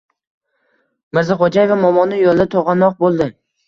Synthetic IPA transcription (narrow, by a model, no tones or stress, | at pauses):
mɪɾzɪχod͡ʒajevamɒmɒnːɪjolˠd̪at̪ʰoʁɑnɒq̚bolˠd̪ɪ